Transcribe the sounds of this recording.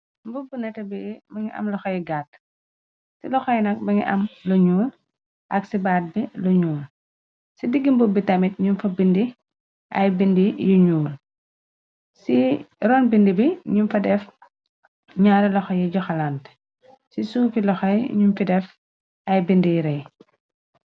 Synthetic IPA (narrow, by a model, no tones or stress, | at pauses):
mbubunɛtɐbimɐŋiʔɐ̰mlɔxɐjɡat̚ | silɔxɔjnɐk̚mɐŋḭʔɐ̰mlɔɲuːl | ʔɐksibaːt̚bilɔɲuːl | sidiɡːimbubːitɐmit̚ɲunfɐbindi | ʔɐ̰jbindijuɲuːl | siɾɔnbindibiɲumfɐdɛf | ɲaːɾɛlɔxɐjɛɟɔxɐlant | sisuːfilɔxɐjɲumfidɛf | ɐjbindijɾɛj